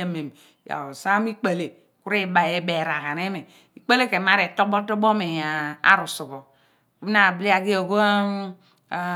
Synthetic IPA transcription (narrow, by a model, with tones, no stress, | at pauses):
a˦me˨m | ja̰˨sa˦m˦i˦k͡pa˨le˨ | ku˦ɾi˦ba˨je˦be˨ɾa˨ha˨ne˦me˨ | i˨k͡pa˦le˦ke˨ma˦ɾe˨to˦bo˦tɔ˦bo˦me˨ja˨a̰˦ɾu˨su˨bo˨ | ku˦na˨bli˦a˨ɡi˦o˨ɡo˦˨